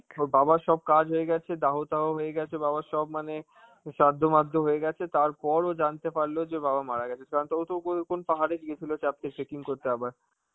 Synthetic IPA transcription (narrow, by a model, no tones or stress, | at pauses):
obabaʃɔb̚kad͡ʑɦoeɡɛt͡ɕʰed̪aɦot̪aɦoɦoeɡɛt͡ɕʰebaβaʃɔbmane | ʃad̪ʱːomad̪ʱːoɦoeɡɛt͡ɕʰet̪aɾpɔɾod͡ʑant̪epaɾlod͡ʑebabamaɾaɡɛt͡ɕʰekaɾont̪ɔot̪okokonpaɦaɾed̪iet͡ɕʰilot͡ɕap̚t̪eɾt͡ɕekiŋkoɾt̪eabaɾ